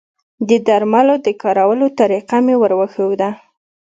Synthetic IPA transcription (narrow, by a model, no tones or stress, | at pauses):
d̪əd̪aɾmalod̪əkɑɾawəlot̪aɾiqamewəɾwəxəwd̪a